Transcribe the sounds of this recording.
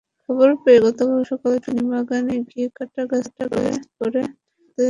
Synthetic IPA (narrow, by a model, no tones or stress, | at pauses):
kʰɔboɾpeeɡɔt̪obaʃɔkalet̪inibaɡaneɡiekaʈːaɡasʈaka̰pɔɾe | t̪e